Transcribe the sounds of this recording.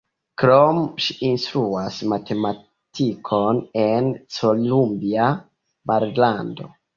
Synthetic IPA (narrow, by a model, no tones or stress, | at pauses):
kɾomʃiinstɾuasmatʰe̞ma | tʰikʰo̞nent͡solumbia | maɾlando̞̰